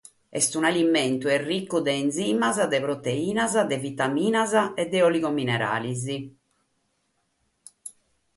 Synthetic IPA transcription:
ɛ̰st̪unalimɛnt̪uɛrːikːud̪ɛːnziːmazad̪ɛpɾot̪eiːnazad̪ɛvit̪amiːnazaɛd̪ːɛoliɣominɛɾa̰ːlizi

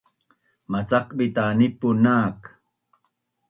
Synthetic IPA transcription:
mat͡sakɓɪt̪aːnɪpːʊnaːk

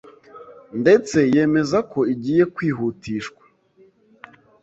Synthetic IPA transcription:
nde̞t͡se̞je̞ːme̞zakʰo̞iɟiːje̞kwiːɦuːtʰiːʃkwḁ

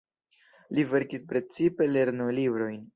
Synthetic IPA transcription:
live̞ɾkispɾe̞t͡sipe̞le̞ɾnolibɾo̞jn

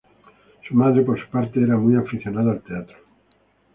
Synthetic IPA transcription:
sumaðɾepoɾsu̥paɾt̪eeɾamujafiθjonaðaalt̪eat̪ɾo̥

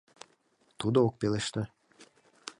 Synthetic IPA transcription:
t̪ud̪ook̚peleʃt̪ə

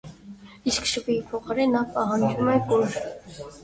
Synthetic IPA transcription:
iskʃəpijipʰɔχɑɾɛnːɑpɑɦɑnd͡ʒumɛkɔɾ

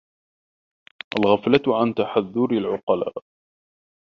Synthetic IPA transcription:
ʔalɣaflat̪ʕant̪aħaðːʊɾalʕʊqɑla̰ːʔ

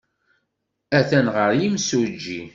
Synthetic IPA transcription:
æθænʁəɾjimsud͡ʒːi

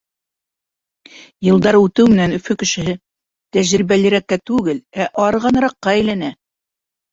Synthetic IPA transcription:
jɤ̆lˠd̪ɑɾʉt̪ɘwmɘ̆nænɵ̆fɵkɘ̆ʃɘ̆hɘ | t̪æʑɾibælɘ̆ɾækːæt̪ʉɡɘlæʔɑɾɤʁɑnɤɾɑqːɑæjlænæ

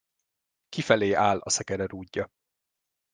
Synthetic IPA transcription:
kifɛleːʔaːlɒ̰sɛkɛɾɛɾuːɟːɒ

